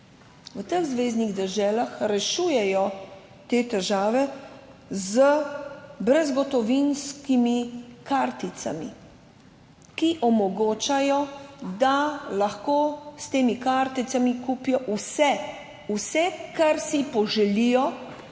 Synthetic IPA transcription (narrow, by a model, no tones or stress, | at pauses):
ʋət̪əɣzʋeːzniɣd̪ɛɾʒɛːlaxɾɛʃuːjɛjɔ | t̪eːt̪ɛʒaːʋɛ | zə | bɾɛzɡɔt̪ɔʋinskimikaɾt̪it̪sa̰mḭ | kiʔɔmɔɡoːt͡ʃajɔd̪alaxkoːst̪eːmikaɾt̪it̪samikuːpijɔʔusɛ | usɛkaɾsipɔʒɛlijɔ